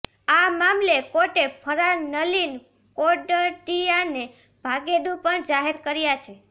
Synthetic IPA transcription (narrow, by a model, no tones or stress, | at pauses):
amamlekoʈepʰəɾanəlin | koɖəʈijane | b̥ʱaɡed̪ũpəɳd͡ʒaɦeɾkəɾjat͡ʃʰe